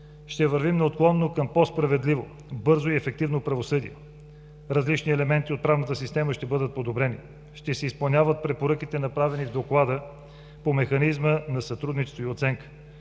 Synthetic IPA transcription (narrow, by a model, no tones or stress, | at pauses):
ʃt̪ɛvəɾvimnɐot̪̚klˠɔnːokəmpɔspɾɐvɛd̪livo | bɤɾzoiɛfɛk̚t̪ivnopɾɐvosɤd̪ḭɛ | ɾɐzlit͡ʃniɛlɛmɛnt̪iot̪̚pɾavnət̪əsist̪ɛməʃt̪ɛbɤd̪ət̪̚pod̪obɾɛnḭ | ʃt̪ɛsɛispɐlˠnʲavət̪̚pɾɛpoɾɤkit̪ɛnɐpɾavɛnivd̪oklˠad̪ə | pomɛxɐnizmənɐsɐt̪ɾud̪nit͡ʃɛst̪voiot̪sɛŋkə̥